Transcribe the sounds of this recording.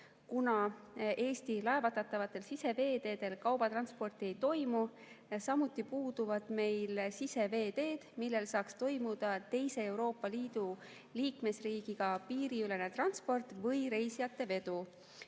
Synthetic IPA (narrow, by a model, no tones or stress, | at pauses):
kunɑe̞ːst̪ilɑe̞vɑt̪ːɑt̪ːˑɑvɑt̪ːˑe̞lsise̞ve̞ːd̪e̞ːd̪e̞lkɑwb̥ɑt̪rɑnspo̞rt̪ˑie̞jt̪o̞jmu | sɑmut̪ːˑipuːd̪̥uvɑd̪̥me̞jlsise̞ve̞ːd̪e̞ːd̪̥milːe̞lsɑːkst̪o̞jmud̪̥ɑt̪e̞jse̞e̞wɾo̞ːpˑːɑliːd̪̥u | liːkme̞sriːɡ̥iɡ̥ɑpiːɾiyle̞ne̞t̪rɑnspo̞rt̪vɤjɾe̞jsijɑt̪ːe̞ve̞d̪u